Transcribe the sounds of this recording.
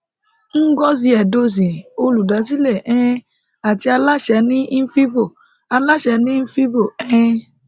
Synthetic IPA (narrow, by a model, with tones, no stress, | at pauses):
ŋ̩˦ɡɔ˦z̬i˧ɛ˨do˧zĩ˨o˧lu˨da˨˦si˦lɛ˦˨ʔɛ̃˦ | a˨ti˧a˧la˦ʃɛ˨˦nĩ˦n̩˦fi˦vo˦˨ | a˧la˦ʃɛ˨˧˦nĩ˦n̩˦fi˦vo˦˨ɛ̃˦˧˦